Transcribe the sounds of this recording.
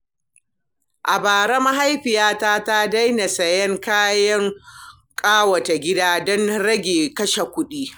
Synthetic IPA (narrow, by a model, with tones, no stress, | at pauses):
ʔa˨baː˨ɾɐ˦ma˦ɦa˦jɸɪ˨jaː˦taː˦ta˦da˦jna˨sɐ˨jɐ˦ŋkaː˦jɐ˦ŋ | kʼaː˦wɐ˨ta˨ɡʲɪ˦daː˦dɔ˦nɽɐ˦ɡʲeː˨kɐ˦ʃa˨kʷʊ˦ɗiː˦